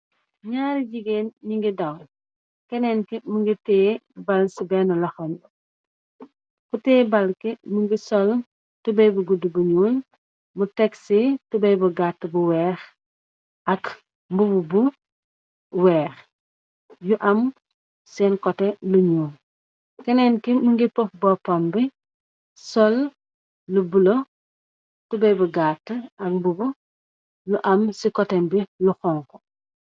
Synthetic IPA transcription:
ɲaːɾiɟiɡenɲiŋɡidɐw | kɛnɛnkimuŋɡitɛːbalsibɛnɐlɐxɔnb | kutɛːbalkimuŋɡisɔl | tubɐjbuɡudubuɲuːn | mutɛksitubɐjbuɡatːbuwɛːx | ʔɐk | mbububu | wɛːx | juʔɐm | sɛnkɔteluɲuːm | kɛnɛnkimuŋɡipɔfbɔpambi | sɔl | lubulo | tubɐjbɐɡatːəɐk̚mbubu | juʔɐmsikɔtɛmbiluxɔŋkɔ

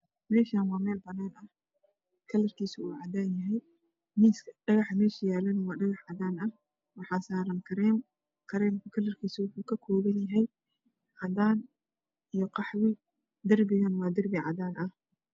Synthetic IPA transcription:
mɛːʃaːnwɑːmɛːlbɐnɛːnɐh | kʰɐlɐrkʰiːsʊuːʕɑd̪aːnjɐɦɛj | mɪsɖɐɣɑħmɛːʃɐjaːlɐnɐwɑːɖɐɣɑħʕɑðaːnɐh | wɑħɑːsaːɾɐŋkʰɐɾɛːm | kʰɐɾɛːmkʰʊkʰɐlɐrkʰiːsʊwʊħuːkʰɐkʰɔːɣɐnjɐɦɛj | ʕɑd̪aːn | ʔijɞqɑħwɪ | d̪ɐrbɪɣɐnwɑːd̪ɐrbɪʕɑ̰ðaːnʔɐh

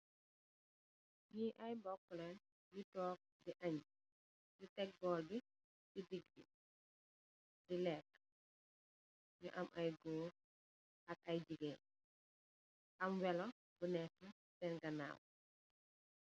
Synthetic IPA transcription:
jiʔɐjbɔkːɔlɛn | jitɔːk̚diʔɐɲ | jutɛk̚ɡɔːlbi | didiɡ̚bḭ | dilɛːk̚ː | ɲuʔɐmʔɐjɡuː | ɐk̚ɐjd͡ʒiɡe | ʔɐmwɛlɔ | bunɛkːə | sɛnɡɐna̰ːw

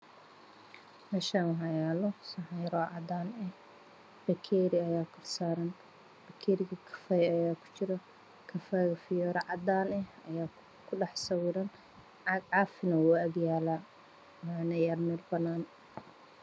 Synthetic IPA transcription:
mɛːʃaːɦɑjaːlɔsɐħɛjɾɔʕɑd̪aːnɛh | b̥ɐkʰɛːɾɪɐjaːkʰɐrsaːɾɐn | b̥ɐkʰɛːɾɪɣɐkʰɐ̥fɐjɐjaːkʰʊ̥t͡ʃʰɪɾɐ | kʰɐfɐjɐfɪjɔːɾɐʕɑd̪aːnɛhɐjaː | kʰʊɖɑħsɐwɪɾɐn | ɡʕɑːfɪnɐwuɐɡjaːlaː | wanɐjɐːrmɛːlbɐnaːn

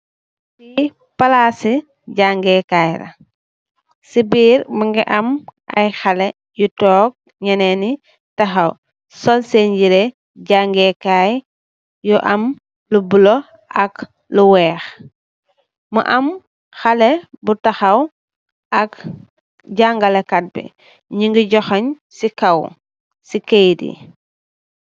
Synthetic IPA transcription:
bi | palaːsi | ɟaŋɡɛkaːjɾɐ̰ | sibiːɾmuŋɡɛʔɐmʔɐ̰jxalɛ | jutɔːk̚ | ɲɐnɛni | tɐxɐw | sɔlseɲɟiɾe | ɟaŋɡɛkaj | jɔʔɐm | lubulɔ | ʔɐk | luwɛːx | mṵʔɐm | xɐlɛbutɐxɐw | ʔɐk | ɟaŋɡɐlɛkat̚bɛ̰ | ɲiŋɡiɟɔxɐɲ | sikɐw | sikejdḭ

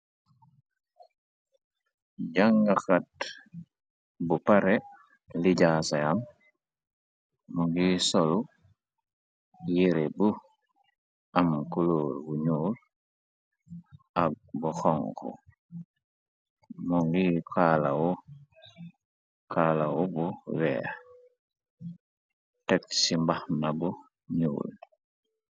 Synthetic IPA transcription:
ɟaŋɡaxat̚ | bupaɾɛ | liɟasaam | mɔŋɡisɔlu | jiɾebu | amkuloːɾwuɲuːl | ʔaɡ̚ | buxɔŋkṵ | muŋɡikʰalawu | kʰaːlawubuwɛ̰ː | tɛk̚simbahnabu | ɲṵːl

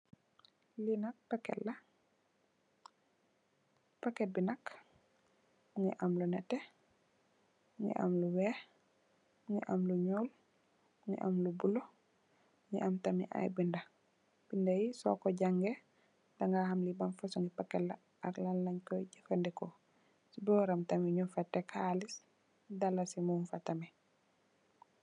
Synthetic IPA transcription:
linɐk̚pakɛ̰lːɐ | pakɛt̚binɐk | ŋḭʔamlunɛtːɛ | ŋḭʔa̰mluwɛːh | ŋḭʔamluɲɔːl | ŋḭʔa̰mlubulo | ŋḭʔamtamḭʔa̰jbinda | b̥indajisɔ̰kɔɟaŋɡɛ | daŋɡahamlibanfasɔŋɡipakːɛla | aɾlalːaɲkɔjɟafandɛkɔ | sbɔːɾamtamiɲufatːɛkʰaːlis | dalasimumfatami

